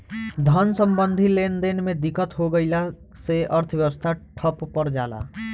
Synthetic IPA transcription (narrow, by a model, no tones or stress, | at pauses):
d̪ʱənsə̃mbə̃nd̪ʱileːnd̪eːnmẽd̪ɪkət̪ɦoɡəɪla | seəɾt̪ʰəʋjəʋəst̪ʰaʈʰəppəɾd͡ʒaːla̰ː